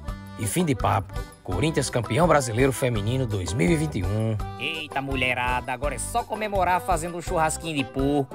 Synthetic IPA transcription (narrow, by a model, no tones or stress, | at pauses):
ɪfĩd̪ɪpapʊ̥koɾĩt̪iɐskɐ̃piɐ̃w̃bɾazilejɾʊfemĩnĩnʊd̪ojzmiwivĩnt̪ɪũejt̪amuʎeɾad̪ɐaɡɔɾɐɛsɔkõmemoɾaɾfazẽnd̪ʊũʃuhaskĩɲʊd̪ɪpuk